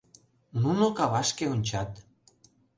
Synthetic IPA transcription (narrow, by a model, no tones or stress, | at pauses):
nunokɑβɑʃkeonʲt͡ɕɑt̪